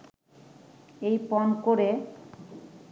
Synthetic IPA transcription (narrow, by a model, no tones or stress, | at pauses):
ejpɔnkoɾe